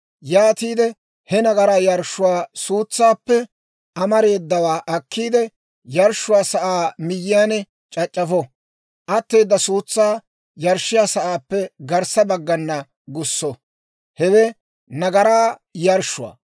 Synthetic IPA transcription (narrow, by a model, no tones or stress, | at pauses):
jaːt̪iːd̪ɛ | hɛnɐɡɐɾaːjɐɾʃːʊwaːsuːt͡sːaːpːɛ | ʔɐmɐɾe̞ːd̪ːɐwaːʔɐkːiːd̪ɛ | jɐɾʃːʊwaːsɐʔaːmɪjːɪjaːnɛ | t͡ʃʼɐt͡ʃʼːɐfɔ | ʔɐt̪ːe̞ːd̪ːɐsuːt͡sːaː | jɐɾʃːɪjaːsɐʔaːpːɛɡɐɾsɐbɐɡːɐnːɐ | ɡʊsːɔ | hɛwɛ | nɐɡɐɾaːjɐɾʃʊwa̰ː